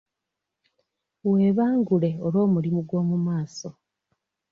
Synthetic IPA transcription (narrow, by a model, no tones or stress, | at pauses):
we̞ːβaːŋɡule̞olwo̞ːmulimuɡwo̞ːmumaːso̞